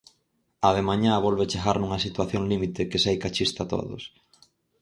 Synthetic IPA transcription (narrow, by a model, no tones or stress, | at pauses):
aðemaɲaβolβet͡ʃeɣaɾnuŋɐsit̪waθjoŋlimit̪ɪkɪsejkat͡ʃist̪at̪o̰ðʊ̰s